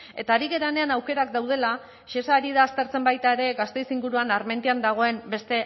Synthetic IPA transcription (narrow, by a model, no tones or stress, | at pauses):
e̞t̪aːɾiɣe̞ɾane̞anawke̞ɾakd̪awð̞e̞la | ʃesaːɾiðaːst̪e̞ɾt͡se̞mbajt̪ae̞ɾe̞ɣast̪e̞jsiŋɡuɾuanaɾment̪iand̪aɣ̞o̞e̞mbe̞st̪e̞